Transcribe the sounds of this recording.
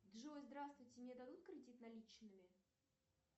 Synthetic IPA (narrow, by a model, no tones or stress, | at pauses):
d̪ʐɨozd̪ɾast̪vʊjtʲɪmnʲed̪ɐd̪ut̪̚kɾʲɪdʲit̪nɐlʲit͡ɕnɨmʲɪ